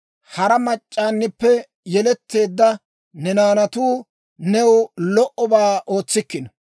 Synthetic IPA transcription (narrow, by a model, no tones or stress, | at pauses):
hɐɾɐmɐt͡ʃʼːaːnːɪpːɛ | jɛlɛt̪ːe̞ːd̪ːɐ | nɛnaːnɐt̪uː | nɛwlɔʔɔbaːo̞ːt͡sːɪkːɪn